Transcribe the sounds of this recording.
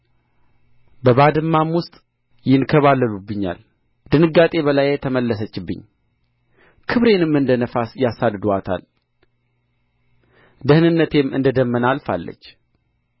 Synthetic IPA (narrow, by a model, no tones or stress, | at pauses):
bəβad̪ɨmːamwʊst̪ʼ | jɪnkʰəβalːəlubːɨɲːa̰l | d̪ɨnɨɡːat̪ʼe̞βəlajɛt̪ʰəməlːəsət͡ʃːɪbːɨ̰ɲː | kʰɨβɾe̞nɨmːɨnd̪ənəfasjasad̪d̪uat̪ʰa̰l | d̪əhnɨnːət̪ʰe̞mːɨ̰nd̪əd̪əmːənalfa̰lːə̰t͡ʃː